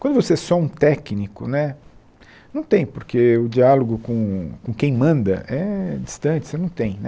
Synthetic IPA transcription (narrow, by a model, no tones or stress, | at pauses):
kwɐ̃nd̪ʊvosesɔũt̪ɛknikʊnɛ | nɐ̃w̃t̪ẽj̃poɾkeʊd͡ʒialoɡʊkõkõkẽj̃mɐ̃nd̪ɐ̰ʔɛd͡ʒi̥st̪ɐ̃t͡ʃɪ̥senɐ̃w̃t̪ẽj̃nɛ